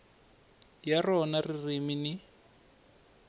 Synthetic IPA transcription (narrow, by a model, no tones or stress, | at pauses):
jarɔnaririminɪ